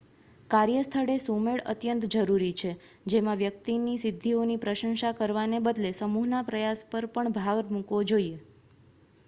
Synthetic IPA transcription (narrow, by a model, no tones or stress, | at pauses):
kaɾjəst̪ʰəɽesumeɭə̰t̪jənt̪d͡ʒəɾuɾit͡ʃʰe | d͡ʒemãʋjək̚t̪inisɪd̪ʱːionipɾəʃə̃ŋʃakəɾʋanebəd̪lesəmuɦnapɾəjaspəɾpəɳbʱaɡɾmũkʋod͡ʒoie